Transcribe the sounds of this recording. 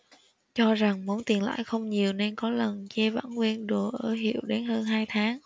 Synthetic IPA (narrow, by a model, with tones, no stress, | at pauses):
t͡ɕɔ˧za˨˩ŋmu˨˦ənt̪i˨˩nla̰ː˧˨jxə˧wŋ͡mɲi˨˩əwne˧nkɔ˨˦lə˨˩nt͡ɕɛ˧va̰ː˧˥˩nŋwi˧ənɗu˨˩əʔəː˧˩ɦḭ˧˨əwɗe˨˦nhəː˧nɦaː˧jt̪ʰaː˨˦ŋ